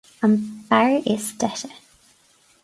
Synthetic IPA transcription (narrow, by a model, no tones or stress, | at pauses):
ə̃mbaɹiʔɪz̥tɛtə